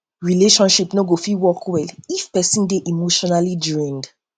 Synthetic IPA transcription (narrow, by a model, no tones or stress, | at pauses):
ɹileʃɔ̃nʃipnoɡofiwɔkwɛlifpɛsĩndeʔimoʃɔnalidɹĩnd